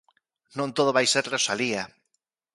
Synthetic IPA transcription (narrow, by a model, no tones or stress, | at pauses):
nõnt̪oðoβajseɾresalia